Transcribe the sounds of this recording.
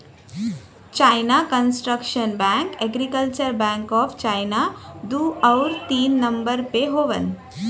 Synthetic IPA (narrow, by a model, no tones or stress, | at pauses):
t͡ʃajnakənsʈɾəkʃənbɛ̃ːŋkeɡɾikəlt͡ʃəɾbɛ̃ːŋkɔːfʰt͡ʃajnad̪uːɐwɾt̪iːnːɐmbəɾpeɦoːʋə̰n